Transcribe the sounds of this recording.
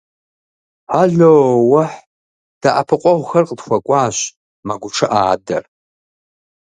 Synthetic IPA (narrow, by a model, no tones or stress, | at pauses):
ħaɮoːwaħ | d̥aʔa̰pʰɨqʷʼawχərqʼdxʷakʷʼaːʃʷ | maɡʷʈ͡ʂʰɨʔaːda̰r